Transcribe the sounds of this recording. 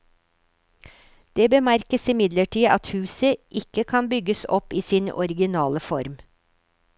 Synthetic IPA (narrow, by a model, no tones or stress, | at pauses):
d̪̥eːbəmæɾkəsɪmɪd̪ləʈʰiːʔɑt̪hʉːsəʔɪkəkʰɑnbʏɡəsɔ̰piːsinɔ̰ɾɪɡɪnɑːləfɔɾm